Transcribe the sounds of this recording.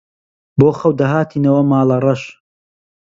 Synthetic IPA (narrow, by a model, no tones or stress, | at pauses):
boːxɐwd̪ɐɦaːt̪ʰiːnɐwɐmaːlɐrɐʃ